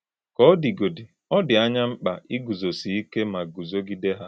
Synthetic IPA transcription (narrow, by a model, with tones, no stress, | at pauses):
kɔ˦ɔ˦di˨ɡo˨di˨ | ɔ˦dɪ˨a˦ɲa˦ŋ͡m̩˦k͡pa̰˨ʔi˦ɡu˨zo˨si˨i˦ke˦ma˨ɡu˨zo˦ɡi˦de˦ɦa˦